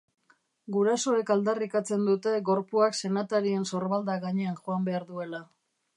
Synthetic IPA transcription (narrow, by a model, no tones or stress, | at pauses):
ɡuɾaso̞e̞kald̪arikat͡se̞nd̪ut̪e̞ɡo̞ɾpuakse̞nat̪aɾie̞nso̞ɾβald̪aɣaɲe̞anʝoambe̞aɾðue̞la